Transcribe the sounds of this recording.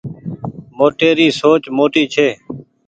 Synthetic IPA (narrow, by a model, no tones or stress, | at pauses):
moːʈeːɾiːsoːt͡ʃmoːʈiːt͡ʃʰeː